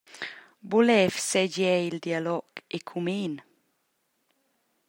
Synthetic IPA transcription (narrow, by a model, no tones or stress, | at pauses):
bulɛvsɛd͡ʒɛjild̪ialɔɡ̥ekʰumeːn